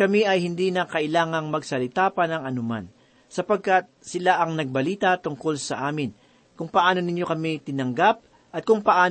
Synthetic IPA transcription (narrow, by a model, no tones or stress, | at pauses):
kɐmiʔɐjhɪnd̪inɐkɐʔɪlaːŋɐŋmɐɡsɐlɪt̪aːpɐnɐŋʔɐnʊma̰n | sɐpɐɡ̚kat̪̚sɪlaʔɐŋnɐɡ̚bɐliːt̪ɐt̪ʊŋko̞lsɐʔaːmɪn | kʊŋpɐʔaːno̞nɪɲjo̞kɐmit̪ɪnɐŋɡap̚ | ʔɐt̪̚kʊŋpɐʔaː